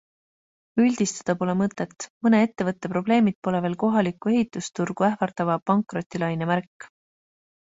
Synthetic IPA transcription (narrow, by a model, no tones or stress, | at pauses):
ylʲd̪̥ist̪ɑ̥d̪̥ɑpo̞lemɤt̪ːˑe̞t̪ːˑmɤne̞et̪ːe̞vɤt̪ːe̞pɾo̞ble̞ːmid̪̥̚po̞le̞veːlko̞ɦɑlikːˑue̞ɦit̪ːˑust̪urɡ̥uæhvɑrt̪ɑvɑpɑŋkˑro̞t̪ʲːilɑjnemærkː